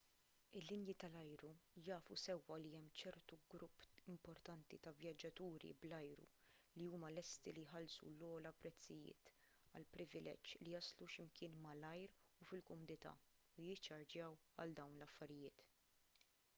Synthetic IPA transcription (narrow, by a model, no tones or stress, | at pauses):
ɪlːɪnjit̪ɐlɐjɾujɐːfusɛwːɐliɛmːt͡ʃɛɾt̪uɡɾʊpːɪmpɔɾt̪ɐnt̪ḭt̪ɐvjɐd͡ʒːɐt̪uːɾḭblɐjɾṵliuːmɐlɛst̪ilijħɐlsṵlɔːlɐpɾɛt͡sːɪjɪ̰ːt̪ | ɐ̰lpɾɪvɪlʔɛ̰t͡ʃːlijɐsluʃɪmkɪːnmɐlɐjɾufɪlkɔmʊnɪt̪ɐ̰ː | ʊjɪt͡ʃːɐɾd͡ʒjɐwɐ̰ld̪ɐwnlɐfːɐɾɪjɪːt̪